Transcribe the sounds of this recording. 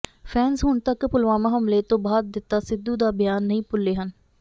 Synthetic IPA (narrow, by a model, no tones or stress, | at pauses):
pʰɛːnsɦʊɳt̪əkpʊlʋaːmãːɦəmleːt̪õːbaːd̪̚d̪ɪt̪ːaːsɪd̪uːd̪aːbɪjaːnːəĩːpʊlːeːɦən